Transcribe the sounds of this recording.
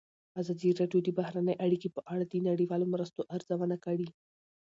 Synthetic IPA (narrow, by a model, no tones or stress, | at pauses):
azad̪iɾɑɖijod̪ibahɾanəjʔaɽikipəʔaɽad̪inaɽiwɑlomɾəst̪oʔaɾzawənakəɽi